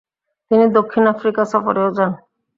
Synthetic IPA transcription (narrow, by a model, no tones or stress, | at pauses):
t̪inid̪okʰːinafɾikasɔfoɾeod͡ʑan